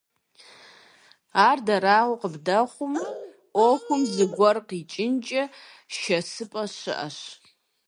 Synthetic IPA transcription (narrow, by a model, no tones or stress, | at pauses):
aːrdɐɾaːʁʷʊqəbdɐχʷʊm | ʔʷokʷʊmzɨɡʷɔrqit͡ʃʼɪnt͡ʃʼɐ | ʃɐsɨpʼɐɕɨ̰ʔɐ̰ɕ